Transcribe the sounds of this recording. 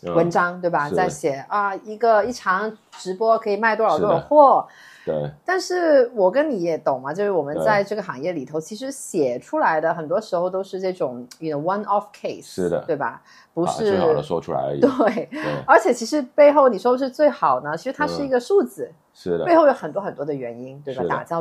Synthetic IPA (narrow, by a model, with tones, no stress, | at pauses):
wə˧˥nʈ͡ʂɑ˥ŋt̪we˥˩ɪbɐ˧˩˧a˥˩ɪɕjɛ˨˩ɐ˥˧i˧˥ɡə˧i˥˩ʈ͡ʂʰɑ˧˥ŋʈ͡ʂɻ̩˧˥pwɔ˥kʰɤ˧˥i˨˩ma˥˩ɪt̪wɔ˥˧ɻt̪wxwɔ˥˩ | ḛ˥˩t̪a˥˧nʂɻ̩˥˩wɔ˨˩kə˥nni˧˥jɛ˨˩t̪ʊ˨˩ŋmɐ˦t͡ɕjo˥˧ʊʂɻ̩˥˩wɔ˨˩mə˦nt͡sa˥˧ɪʈ͡ʂɤ˥˩ɡə˩xɑ˨˩ŋjɛ˥˩li˨˩t̪ʰo˧˥ʊt͡ɕʰi˧˥ʂ̬ɻ̩˧˥ɕjɛ˨˩ʈ͡ʂʰu˥la˧˥ɪd̪ə˧xə˨˩nt̪wɔ˥ʂɻ̩˧˥xo˧ʊt̪o˥ʊʂɻ̩˥˧ʈ͡ʂɤ˥˩ʈ͡ʂʊ˨˩˦ŋy˧˩no˧˩wɐ˥nɔ˥fkʰe˥˩ɪs̩˥˩də̰˩t̪we˥˩ɪbɐ̰˩ | pu˧˥ʂɻ̩˥˧˨ɔ̰˥ʈ͡ʂʰṵ˥la̰˧˥ɪt̪we˥e˥˩ɪə˞˧˥t͡ɕʰjɛ˨˩t͡ɕʰi˧˥ʂɻ̩˧˥pe˥˧ɪxo˥˩ʊni˨˩ʂwɔ˥pu˧ʂɻ̩˥˧t͡swe˥˩ɪxɑ˨˩ʊnə˦t͡ɕʰi˧˥ʂɻ̩˧t̪ʰa˥ʂɻ̩˥˩i˧˥ɡə˧ʂu˥˩t͡sɹ̩˨˩ | ʂɻ̩˥˩e˥ɪxo˥˩ʊjo˧˥xə˨˩nt̪wɔ˥xə˨˩nt̪wɔ˥d̪ə˨ɥɛ˧˥ni˥nt̪we˥˩ɪba˨˧˩t̪a̰˨˩t͡ɕjɑ˥˧ʊ